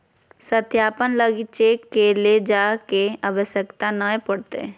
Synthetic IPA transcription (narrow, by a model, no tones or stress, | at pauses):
sət̪jaːpənləɡit͡ʃekːeled͡ʒaːkeaʋəʃjəkt̪anəepəɽt̪ḛ